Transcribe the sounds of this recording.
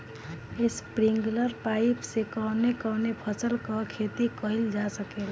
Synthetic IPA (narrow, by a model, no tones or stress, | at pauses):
espɾiŋɡləɾpajpsekɔnekɔnepʰəsəlkɔkʰet̪ikəild͡ʒasəkel